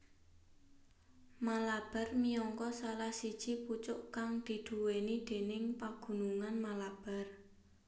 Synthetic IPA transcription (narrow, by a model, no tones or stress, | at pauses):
malab̥a̤rmiɔŋkɔsalahsid̥ʒ̥iput͡ʃʊʔkaŋd̪̥i̤d̪̥uwenid̪̥e̤nɪŋpaɡ̥ṳnuŋanmalab̥a̤r